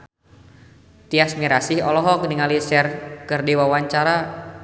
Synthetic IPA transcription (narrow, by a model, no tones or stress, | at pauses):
t̪iasmiɾasihɔlɔɦɔkəniŋalisɛrkɨrdiwawaɲt͡ʃaɾa